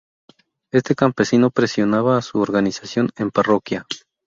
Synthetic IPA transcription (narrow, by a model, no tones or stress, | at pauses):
e̞st̪e̞kampe̞sino̞pɾe̞sjo̞naβaːsuoɾɣanisasjo̞ne̞mparo̞kja